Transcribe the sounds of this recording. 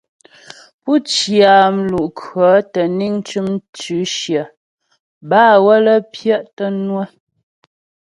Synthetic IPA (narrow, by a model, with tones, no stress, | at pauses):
pu˦t͡ʃja˨m̩˦lu˨ʔkʰɰə˨˦tə˨ni˦ŋ˦t͡ʃʉ˦mt͡ʃʉ˨˦ʃjə˨ | baː˦˨wə˦lə˦pjə˦ʔtə˦nwə˦